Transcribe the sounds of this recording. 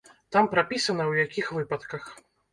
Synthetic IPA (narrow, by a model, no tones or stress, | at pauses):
t̪ampɾapʲisɐnɐwjakʲixvɨpɐt̪kɐx